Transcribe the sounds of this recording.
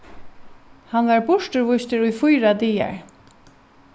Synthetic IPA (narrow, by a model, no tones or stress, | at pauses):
hanʋaɹbʊʂʈəɹvʊjst̪ɪɾʊjfʊjɾad̪iːa̰ɹ